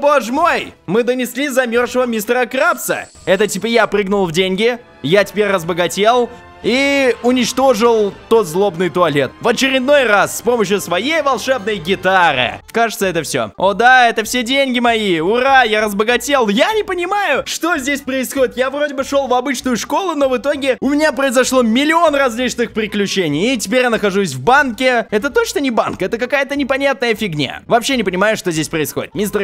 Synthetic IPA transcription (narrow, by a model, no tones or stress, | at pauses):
boʐmojmɨd̪ənʲɪsʲlʲizɐmʲo̞rʂəvəmʲist̪ɾəkɾafsə̰ | ɛt̪ətʲipəjapɾʲɨɡnʊlˠvdʲenʲɡʲɪ | jatʲɪ̥pʲeɾʲrəzbəɡɐtʲe̞lˠ | iʊnʲɪt͡ɕt̪o̞ʐɨlˠt̪o̞t̪zlˠo̞bnɨjt̪ʊɐlʲe̞t̪vɐt͡ɕɪɾʲɪd̪no̞jrasːpo̞məɕ̬jʊsvɐjejvɐlˠʂɛb̚nəjɡʲɪt̪aɾɨ̰kaʐɨt̪səɛt̪əfsʲo̞̰od̪aɛt̪əfsʲedʲenʲɡʲɪmɐiʊɾajaɾəzbəɡɐtʲe̞lˠjanʲɪpənʲɪmajʊʂt̪o̞zʲdʲesʲpɾəɪsxodʲɪt̪javro̞dʲɪbɨʂolˠvɐbɨt͡ɕnʊjʊʂko̞lˠʊno̞vɨt̪o̞ɡʲɪʊmʲɪnʲapɾəɪzɐʂlˠo̞mʲɪlʲɪo̞nrɐzʲlʲit͡ɕnɨxpɾʲɪklʲʉt͡ɕenʲɪjɪtʲɪpʲeɾʲjanəxɐʐus̬ʲvbankʲɪɛt̪ət̪oʂt̪onʲɪba̰nkɛt̪əkɐkajət̪ənʲɪpɐnʲat̪̚nəjəfʲɪɡnʲa̰vɐpɕːe̞nʲɪpənʲɪmajʊʂt̪ozʲdʲesʲpɾəɪsxo̞̰dʲɪt̪mʲist̪